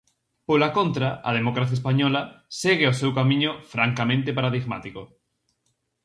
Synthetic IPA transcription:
polakõnt̪ɾaɐ̰ð̞emokɾaθjaes̬paɲɔlɐseɣeosewkamĩɲofɾaŋkamẽnt̪̬epaɾaðiɣma̰t̪iko

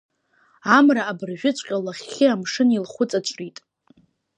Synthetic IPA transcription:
amraːbɨrʒᶣʊt͡ɕʷʰʼqʲʼalaχʲɪamʂɨnilχʷʊt͡sʼat͡ʃʷʼritʼ

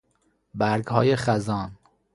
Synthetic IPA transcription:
bæɾɡhɒːjeχæzɒːn

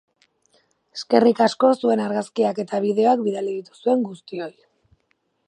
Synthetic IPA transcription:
eske̞rikasko̞sue̞naɾɣaskiake̞t̪aβið̞e̞oakbiɾaleɣit̪u̥sue̞ŋɡust̪io̞j

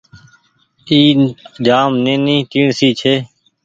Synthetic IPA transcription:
iːd͡ʒaːmnẽːnĩːt̪iːɳsiːt͡ʃʰeː

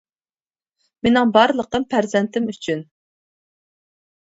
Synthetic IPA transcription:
menɪŋbɑɾlˠəq̪̚ɨmpʰæɾzɛnt̪ʰɪmyt͡ʃʰyn

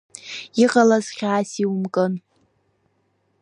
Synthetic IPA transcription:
iqʼalazχʲaːsiwmkʼɨn

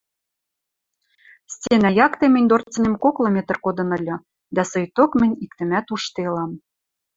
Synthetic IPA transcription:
sʲtʲenæjɑkt̪emɘ̆nʲd̪ort͡sə̆nemkoklˠŏmet̪ə̆rkod̪ɤ̆nə̆lʲɤ̆ | d̪æsojt̪okmə̆nʲikt̪ɘ̆mæt̪uʃt̪elɑm

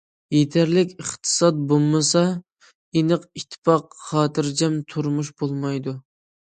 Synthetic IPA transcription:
jet̪ʰæɾlɪkʲəχt̪ʰɨ̥sɑt̪̚bolˠmɨsɑ | enəqiʃt̪ʰːɨ̥pɑqχɑːt̪ʰɨɾd͡ʒɛmt̪ʰuɾmuʃbolˠmɑjd̪u

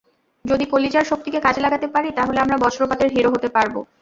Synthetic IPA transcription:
d͡ʑod̪ikolid͡ʑaɾʃok̚t̪ikekad͡ʑelaɡat̪epaɾit̪aɦoleamɾabɔt͡ɕʰɾopat̪eɾɦiɾoɦot̪epaɾbo̰

